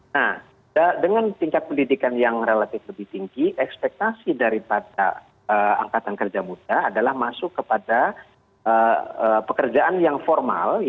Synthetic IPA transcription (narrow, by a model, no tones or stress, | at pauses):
nah | adəŋant̪iŋkat̪̚pəndidikanjaŋrelat̪ɪfləbɪht̪iŋɡiʔɛkspɛk̚t̪asidaɾipada̰ | əa̰ŋkat̪ankərd͡ʒamud̥aːdalahmasʊkːəpada | ʔəəpəkərd͡ʒaʔanjaŋfɔrma̰l